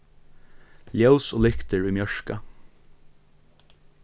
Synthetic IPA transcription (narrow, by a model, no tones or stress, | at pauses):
ljawsoːlʏkt̪əɹʉmjœʂka